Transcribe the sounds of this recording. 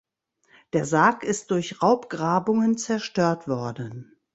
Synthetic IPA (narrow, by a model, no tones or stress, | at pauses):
d̥eːɐzaːkɪst̚d̥ʊɐçʁaʊpɡ̥ʁaːbʊŋənt͡sɛɐʃtøːɐtv̥ɔɐdn̩